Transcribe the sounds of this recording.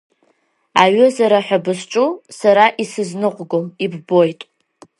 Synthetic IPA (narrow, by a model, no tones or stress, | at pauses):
aɥɨzaɾaħʷᶣabɨsʈ͡ʂʷʼusaɾaʔisɨznɨqʷʼɡomibbo̞jtʼ